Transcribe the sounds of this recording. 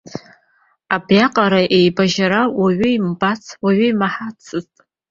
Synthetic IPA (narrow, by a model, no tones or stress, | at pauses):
abjaqʼaɾaʔe̞jbaʒaɾawaɥʏimbat͡sʰwaɥʏimaħat͡sʰɨztʼ